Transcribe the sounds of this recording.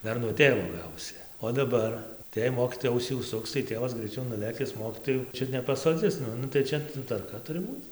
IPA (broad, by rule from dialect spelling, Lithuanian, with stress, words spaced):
ˈdɐr nuɔ ˈtʲeːʋoː ˈɡɐʊsʲɪ oː dɐˈbɐr tɐɪ jɛɪ ˈmoːkʲiːtoːjɛ ˈɐʊsʲiː ʊʃˈsʊks tɐɪ ˈtʲeːʋɐs ɡrʲɛɪˈt͡ʃʲɛʊ nʊˈlʲeːkʲɪs ˈmoːkʲiːtoːjuː ˈt͡ʃʲʊt nʲɛpɐsoːˈd͡zʲɪs ˈnʊ nʊ tɐɪ ˈt͡ʃʲɛ tʋɐrˈkɐ ˈtʊrʲɪ ˈbuːt͡s